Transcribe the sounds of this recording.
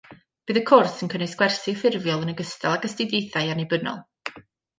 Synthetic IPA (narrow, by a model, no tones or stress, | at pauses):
b̥ɨːðəkʰʊrsənkʰənɨsɡ̥wɛrsifɪrvjɔlˠənəɡəstalˠaɡəstɪdejθajanebənɔ̰lˠ